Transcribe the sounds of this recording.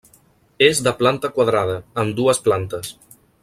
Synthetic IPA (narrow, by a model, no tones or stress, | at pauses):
ezðəplant̪əkwaðɾað̞əːmd̪uəsplant̪əs